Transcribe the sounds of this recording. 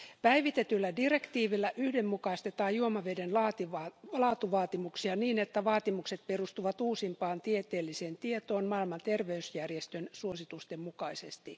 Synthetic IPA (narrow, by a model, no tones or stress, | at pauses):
pæiʋit̪et̪ylːædirekt̪iːʋilːæʔyhdemːukɑist̪et̪ɑːjjuomɑʋedenlɑːt̪iʋɑlɑːt̪uʋɑːt̪imuksiɑniːnet̪ːæʋɑːt̪imukset̪̚perust̪uʋɑt̪uːsimpɑːnt̪iet̪eːlːiseːnt̪iet̪oːnmɑilmɑnt̪erʋeysjærjest̪ønsuosit̪ust̪emmukɑisest̪i